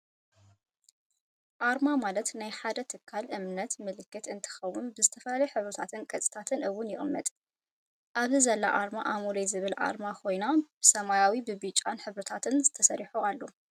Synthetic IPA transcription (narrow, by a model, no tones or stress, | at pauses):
ʔaɾmamalɐt̪najħad̪ɐt̪ʰɨkʰːalʔɨmnɐt̪mɨlɨkːɨt̪ɨnt̪ʰɨ̥xɐwːʊnbɨzɨt̪ʰɐfɐlalɐjɛħɨβɾɐt̪ʰat̪ʰɨnkʼɐt͡sʼi̥t̪ʰat̪ʰɨnʔɨwːʊnjɪxʼmːɐ̰t̪ʼ | ʔaβzizɐlːa̰ʔaɾmaʔamulejzɨβɨlʔa̰ɾmakʰo̞jnab̥ɨsɐmajawibɨβit͡ʃʼːanħɨβɾɐt̪ʰat̪ʰɨnzɨt̪ʰɐsɐɾiħualːo